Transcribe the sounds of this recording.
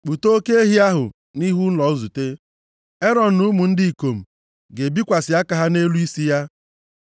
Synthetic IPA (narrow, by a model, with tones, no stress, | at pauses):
k͡pu˨to˦ke˦e˦ɦi˦a˦ɦʊ̰˨ | ni˦ɦu˦n̩˦lɔ˨˦zu˨te˦ | e˦ɾɔ˨n̩˨nu˦mʊ˨n̩˦dɪ˦i˨ko˨m̩˨ | ɡe˨bi˦kʷa˨sɪ˨a˦ka˦ɦa˦ne˦lu˦i˦si˦ja˦